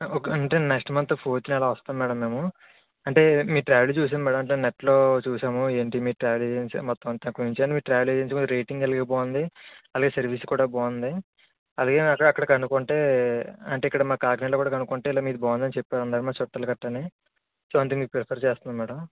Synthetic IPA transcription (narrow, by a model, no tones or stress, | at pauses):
kɳʈeːnekʂʈɐmɐnt̪ːoːpʰoːɾt͡ʃ̪inɐlaːʋɐst̪aːmmɛːɽɐmːe̞ːmu | ɐɳʈe̞ːmiːʈɾaːʋelt͡ʃuːs̬aːmmɛːɽɐmɐɳʈ̬eneʈːlo̞ːt͡ʃuːsaːmueːɳʈimiːɾʈɾaːʋelsimɔt̪ːɐɐnt̪ːɐkuniɲt͡ʃiɐɳʈimiːɾʈɾaːʋeled͡ʒeːt͡ʃikud̪ɾeːjʈiŋɡɐlɡeːboːnd̪iɐlaːɡe̞ːsɐɾʋiːskuːɽaːboːnd̪i | ɐd̪aɡeːɐkːɐɽɐːkːɐɽɐkɐnukoɳʈeːɐɳʈeːikːɐɽɐmaːkaːɡnelokuːɽaːkɐnukoɳʈeilaːmiːd̪ubaːund̪ɐnit͡ʃɛpːaːlɐnd̪aːɾimaːt͡ʃɔʈːɐlɐkɐʈːɐne | sʋaːnt̪iŋipɾepʰɐɾt͡ʃeːst̪und̪imɛːɽɐm